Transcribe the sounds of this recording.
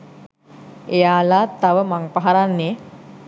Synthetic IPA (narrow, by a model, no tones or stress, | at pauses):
ejaːlat̪aʋəmaŋpaɦaɾanːe